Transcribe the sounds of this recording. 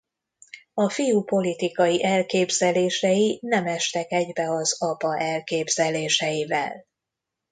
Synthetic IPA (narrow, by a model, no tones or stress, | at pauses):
ɒfijupo̞lit̪ikɒjiʔɛlkeːbzɛleːʃɛjinɛmɛʃt̪ɛkɛɟbɛɒzɒpɒʔɛlkeːbz̥ɛleːʃɛjivɛ̰l